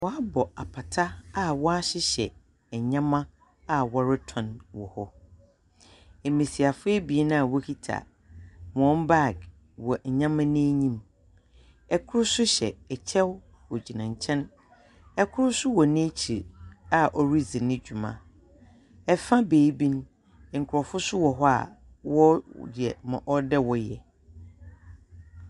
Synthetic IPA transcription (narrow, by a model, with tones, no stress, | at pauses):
wɔ˨˦a˦bɔ˨a˨pʰa˨tʰa˦a˨wɔ˦a˦ɕɪ˦ɕɛ̰˨ | ɛ˨ɲã˦mã˦ | a˨wɔ˨ɾɪ˦tʰɔ̃˨nwɔ̰˨hɔ˦ | e˨mĩ˨si˨a˨fʊ˦ɛ˦bi˨e˦nã˦a˨wɔ˦kʰi˦tʰa̰˨ | m˨ɔ̃˦mba˦˨ɡ | wɔ˨ɲã˦mã˦nɪ̃˦ɲĩ˦m | ɛ˦kʰʊ˦ɾʊ˦sʊ˦ɕɛ̰˨ɛ˨t͡ɕʰɛ˦w | ɔ˨d͡ʑi˨nã˨ɲ˨t͡ɕʰɛ̃˦n | ɛ˦kʰʊ˦ɾʊ˦sʊ˦wɔ˨nɪ̃˦t͡ɕʰi˨ɾa˨ʔɔ˨ɾi˦zi˨nɪ̃˦d͡ʑᶣu˨mã̰˨ | ɛ˨fã˦beː˨i˦bĩ˦n˦˨ | ŋ̩˨kʰʊ˨ɾɔ˨fʊ˦sʊ˦wɔ˨ɦɔ˦a̰˨ | wɔ˦jɛ̰˨mã̰˨ʔɔ˦dɛ˦wɔ˦jɛ̰˨